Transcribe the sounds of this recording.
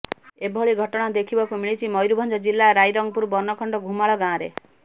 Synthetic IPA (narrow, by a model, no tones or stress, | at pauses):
ebʱɔɭiɡʱɔʈɔɽ̃ad̪ekʰibɔkumiɭit͡ʃʰimɔjɾubʱɔnd͡ʒɔd͡ʒilːaɾajɾɔŋɡ̚puɾbɔnɔkʰɔɳɖɔɡʱumaɭɔɡãɔ̃ɾe